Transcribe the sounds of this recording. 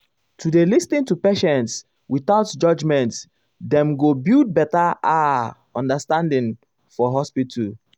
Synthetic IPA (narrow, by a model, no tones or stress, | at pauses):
tʰudelistĩntupeʃɛ̃nts | wiθaʊtd͡ʒʌd͡ʒmɛ̃nt | dɛ̃mɡobild̚bɛtaʔa | ɔ̃ndəstãndĩŋ | fɔɦɔspitʰu